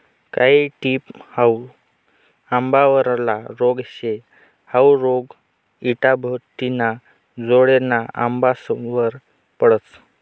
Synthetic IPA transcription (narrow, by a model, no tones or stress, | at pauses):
kaɦiʈiːphaw | ambaʋəɾlaɾoɡɕe | hawɾoɡ | iʈabʱət̪ina | d͡zoɽenaa̰mbasʋəɾ | pəɽət͡s